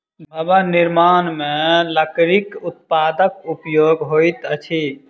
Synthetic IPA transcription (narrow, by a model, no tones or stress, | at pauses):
bʱəbaniɾmaːnmẽləkɾikut̪̚paːd̪əkupjoɡɦojt̪ət͡ʃʰi